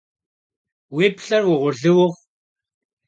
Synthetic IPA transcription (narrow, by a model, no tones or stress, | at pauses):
wiːpɬɐrwʊʁʷʊɮɨwʊʁ